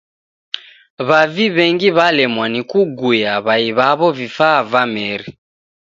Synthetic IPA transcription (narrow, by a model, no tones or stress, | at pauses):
βaviβɛŋɡiβalɛmwanikuɡujaβaiβaβɔvifavamɛɾi